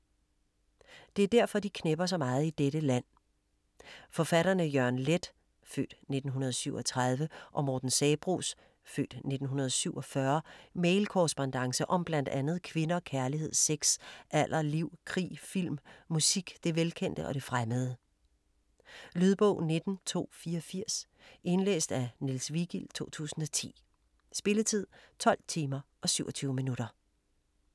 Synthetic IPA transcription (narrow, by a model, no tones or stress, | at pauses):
d̥e̝æɐd̥æɐfɒ̽d̥ikʰneb̥ɐs̬ɒ̽mɑ̈ːð̞̩ˠid̥eɾəlæn̰ | fɒ̽fæɾɐnəjœɐ̰nled̥ | fø̰ːd̥ne̝d̥n̩ɦunɐð̞ˠsyʊɒ̽t͡sʰʁɑð̞ˠʋəʔɒ̽mɒːd̥n̩sɛːb̥ʁṵːs | fø̰ːd̥ne̝d̥n̩ɦunɐð̞ˠɒsyʊɒ̽fɶɐmeɪlkʰɒsb̥ɒnd̥ɑ̈ŋsəʔɒ̽mb̥læn̰d̥ænð̞̩ˠkʰʋe̝nɐɒ̽kʰæɐliɦe̝ð̞̰ˠseɡ̥sʔæl̰ʔɐliʊ̰kʰʁḭːfil̰mːusiɡ̥d̥e̝ʋelkʰen̰d̥əʔɒ̽ɾ̥e̝fʁaməð̞̩ˠə | lyð̞ˠb̥ɔ̰̽ʊne̝d̥n̩t͡sʰo̝̰ːfiːɐɒfiɐ̰s | e̝nlḛːsd̥ænilsʋiɡ̥ilt͡sʰo̝̰ːt͡sʰṵːsn̩ɒ̽t͡sʰḭː | sb̥e̝lət͡sʰið̰ˠt͡sʰɒ̽l̰t͡sʰiːmɐʔɒ̽syʊɒt͡sʰyːʊəminuɾ̥ɐ